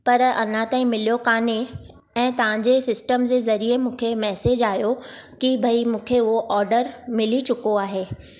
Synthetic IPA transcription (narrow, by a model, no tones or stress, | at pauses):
pɐɾɐ̰nãt̪aːĩmɪlijokaːne | ɛ̃ːt̪ɐʋ̤ãɲd͡ʑesɪsʈəmd͡ʑezɐɾiemũːkʰemɛːseːd͡ʑaːjokibʱɐimũːkʰeʊɦoʔɔːɾɖəɾmɪlit͡ɕʊkoaːɦeː